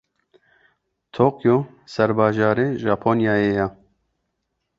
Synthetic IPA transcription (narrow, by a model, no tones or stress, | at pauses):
t̪ʰoːkjo | sɛɾbɑːʒɑːɾeːʒɑːpʰoːnjɑːjeːja